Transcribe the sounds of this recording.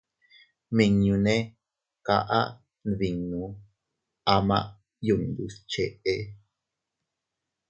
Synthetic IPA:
miɲjune | ka̰ʔa̰ | nvinːu | ʔama̰ | jund̪ust͡ʃeʔe

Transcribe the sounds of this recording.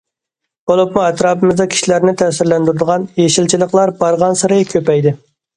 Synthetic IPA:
bolˠupmuɛt̪ɾɑːpɪmɨzd̪ɑkʲʰi̥ʃilæɾnɪt̪ʰɛsɪɾlænd̪yɾd̪əʁɑnjeʃilt͡ʃʰilˠəqlˠɑɾbɑɾʁɑnsɨɾɨjkʲʰøpɛjd̪ɪ

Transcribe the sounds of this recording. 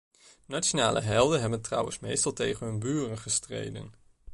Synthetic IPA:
natt͡ʃonaːlʔə̰ɦɛlˠdənɦɛbəntrʌ̰wə̰nsmejstɑlˠtejχənɦɵnbyːrənχəstrḛjdə̰n

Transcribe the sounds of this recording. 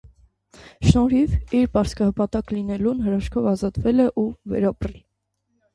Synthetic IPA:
ʃnɔɾiviɾpɑɾskɑhəpɑt̪ɑklinɛlunɦəɾɑʃkʰɔvɑzɑt̪vɛlɛʔuvɛ̰ɾɑprɛl

